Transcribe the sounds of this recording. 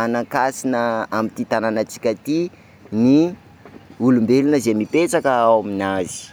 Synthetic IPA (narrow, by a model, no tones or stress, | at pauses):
anakasinəamit̪it̪ananat͡si̥kʲət̪i | ni | ulumbelunəzemipet͡sakəawaminazi̥